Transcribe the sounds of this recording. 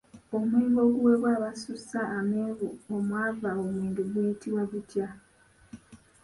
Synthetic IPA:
o̞mweːβo̞ːɡuwe̞βwaːβasusaʔːmeβuomwaːvaowiːndeɡujitiβwaβutja

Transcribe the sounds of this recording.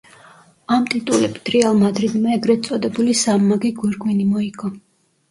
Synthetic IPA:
amt̪ʼit̪ʼulɛbd̪̥ɾɛalˠmad̪ɾid̪maɛɡɾɛt̪sʼɔd̪ɛbulisamːaɡiɡwɛɾɡwinimɔiɡʰɔ

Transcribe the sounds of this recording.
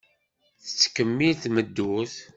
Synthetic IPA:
θə̥t͡sːkːəmːilθməd̪ːuθ

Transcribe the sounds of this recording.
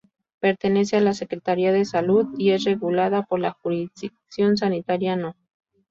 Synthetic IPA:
pe̞ɾt̪e̞ne̞s̬ealase̞kɾet̪aɾiaðe̞saluðie̞sre̞ɣulaðapo̞ɾlaxuɾiðiksjo̞ns̬anit̪aɾjano

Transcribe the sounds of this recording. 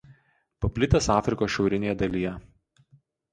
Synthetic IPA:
pɐpʲlʲɪt̪ʲɐsɑːfʲɾʲɪkoːsʃʲɛʊɾʲɪnʲeːjɛd̪ɐlʲijɛ

